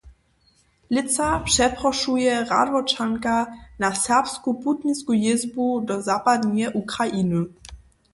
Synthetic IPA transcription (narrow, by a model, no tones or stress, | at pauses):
lɪt̪sapʂɛpɾɔʂujɛʁa̰d̪vɔt͡ʂaŋkanasɛʁpskuput̪ɲiskujɪzbudɔzapad̪ɲɛʔukɾajʔinu